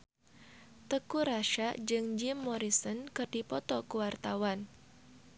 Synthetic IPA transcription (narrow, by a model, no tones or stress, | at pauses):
t̪əkuɾaʃaʔd͡ʒɨŋd͡ʒɪmːɔɾisənkɨrd̥ipɔt̪ɔkuwart̪awan